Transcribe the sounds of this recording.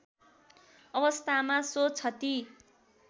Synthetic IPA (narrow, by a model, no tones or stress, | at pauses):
ʌbʌst̪ʰamasot͡sʰʌt̪i